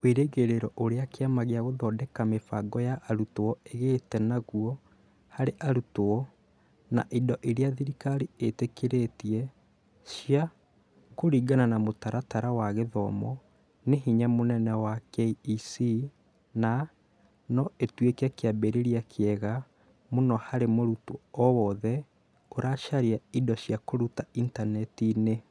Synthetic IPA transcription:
weɾeɣeɾeɾɔʔoɾeakeamaɣeaɣoðɔdɛkamefaɡɔjaʔaɾutowɔeɣetɛnaɣuɔ | haɾeʔaɾutoɔ | na̰ʔidɔʔeɾeaðiɾikaɾietekeɾetiɛ | ʃija | koɾiːɡananamotaɾataɾawaɣeðɔmɔ | neɦiɲamonɛnɛwakesi | na | nɔetwekakeabeɾeɾiakʰeɛɣa | monɔhaɾemoɾutoɔwɔðɛ | oɾaʃaɾiaidɔɕjakoɾutaintanɛtine

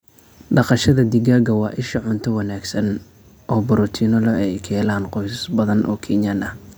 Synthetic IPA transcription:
ɖɑqɑʃɐðɐd̪ɪɣaːɡɐwɑːʔɪʃɐʕʊnt̪ʰɔwɑnaːɡsɐn | ʔɔːbɔɾɔt̪ʰiːnɔlɔʔɛjkʰɛːlaːnqɔjssbɐðɐnʔɔːkʰɛnjanɐ

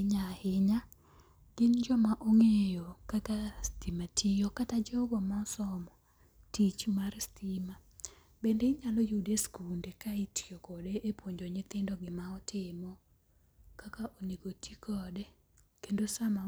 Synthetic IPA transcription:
ɲahɪɲa | ɡ̥ɪnd͡ʒɔmaʔoŋejɔkakastimatʰijɔkatad͡ʒɔbɔmaɔsɔmɔ | tit͡ʃumarstima | bendeiɲalɔjudeskundekaitjɔkɔdeʔepwoɲd͡ʒɔɲɪt̪ɪndɔɡɪmaɔtʰɪmɔ | kakaʔoneɡotʰikʰɔdɛ | kendosama

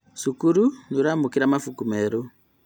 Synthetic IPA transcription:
sukuɾunuɾamukiɾamafukumeɾu

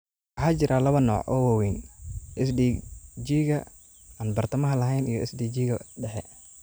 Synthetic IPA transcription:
wɑħaːt͡ʃɪɾaːlɐβɐnɔ̰ːʕʔɔ̰ːwɐwɛjnʔɪs̬diːd͡ʒiːɣɐ | aːnbɐrt̪ʰɐmɐɦɐlɐɦɛjnijɔʔɛ̰sdiːd͡ʒiːɣɐɖɛħɛ

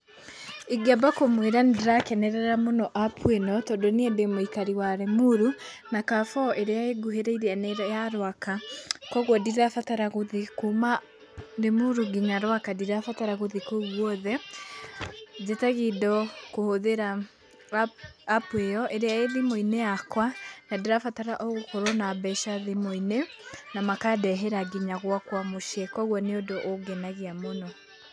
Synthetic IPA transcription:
eɡiabakomweɾandeɾakɛnɛɾɛɾamonɔʔapʰuenɔtɔːdɔniɛdemoikaɾiwaɾemuɾu | nakafɔʔeɾeaeɡuɦeɾaiɾeaneɾjaɾwakakɔɣwɔdiafataɾaɣoðekoma | ɾemuɾuɡiɲaɾwakadiɾafataɾaɣoðikoɣwɔðɛ | ðetaɣidɔkohoðeɾa | pweɔʔeɾeaeðimoineakwanadeɾafataɾaʔɔɣokoɾɔnabɛʃaðimoinenamakadɛɦɛɾaɡiɲaɣwakwamoʃɛkɔɣwɔneodoʔoɡɛnaɣiamonɔ

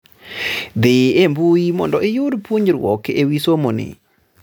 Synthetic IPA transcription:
d̪ɪembujimɔ̰ndɔɪjʊdpuɲɾwɔ̰kewisomonɪ̰

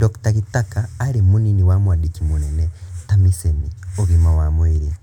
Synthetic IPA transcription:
dɔktaɣitakaːɾimuniniwamwaɗikimunɛnɛtamisɛmiɔɣimawamwɛɾi

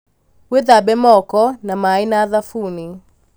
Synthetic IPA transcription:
weðabɛmɔkɔnamainaːðafuni

